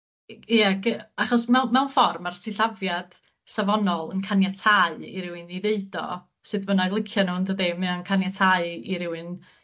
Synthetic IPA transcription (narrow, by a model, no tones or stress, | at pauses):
iaɡəaχɔsmɛwmɛwnfɔrmarsɪɬavjad̥ | savɔnɔlˠənkʰanjatʰaɨḭɾɪwɨniðeɨd̥ɔ̰ | sɨðbənalˠɪkʰjɔnundəðemɛɔnkʰanjatʰaɨiɾɪwɨn